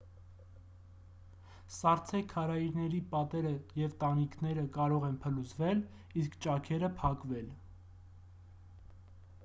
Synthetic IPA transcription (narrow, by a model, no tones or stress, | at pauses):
sɑɾt͡sʰɛkʰːɑɾɑiɾnɛɾipɑt̪ɛɾəjɛvt̪ɑniknɛɾəkɑɾɔʁɛnpʰəluzvɛl | iskʰt͡ʃɑkʰɛɾəpʰɑkvɛl